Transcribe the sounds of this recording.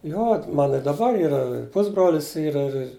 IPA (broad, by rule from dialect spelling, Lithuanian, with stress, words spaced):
ˈjoː ˈmɑːnɐ ɪ dɐˈbɐr ˈiːrɐ ˈpʊzbroːlʲɪs ˈiːrɐ ɪr ɪr